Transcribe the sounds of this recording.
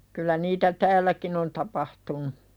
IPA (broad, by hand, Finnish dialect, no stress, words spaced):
kylːæ niːtæ tæːlːækin on tɑpɑhtunu